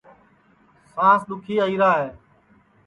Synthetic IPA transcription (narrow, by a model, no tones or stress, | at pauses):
sãːsɗ̪ʊkʰiːəiːɾaːɦeː